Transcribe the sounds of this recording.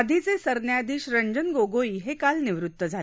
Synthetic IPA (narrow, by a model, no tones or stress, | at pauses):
d̪ʱit͡sesəɾnjad̪ʱiːɕɾəɲd͡ʑənɡoɡoiːɦekalniʋɾut̪ʋəd͡zʱa